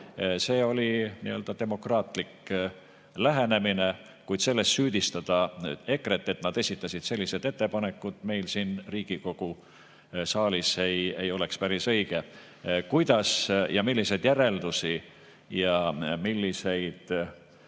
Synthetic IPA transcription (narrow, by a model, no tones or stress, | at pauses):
se̞ːo̞lʲinḭø̞ld̪̥ɑt̪e̞mo̞krɑːt̪lik | læɦe̞ne̞mine | kujd̪selːe̞st̪syːd̪̥ist̪ɑd̪̥ɑe̞kre̞t̪ːˑe̞t̪nɑd̪̥e̞sʲit̪ˑːɑsid̪̥se̞lːised̪e̞t̪ːe̞pɑne̞kˑːud̪̥me̞jlsinriːɡ̥iko̞ɡ̥u | sɑːlise̞je̞jo̞lekspæɾisɤjɡ̥e̞ | kujd̪̥ɑsjɑmilʲːisejd̪̥jæɾe̞ld̪usi | jɑmilːise̞jd̪̥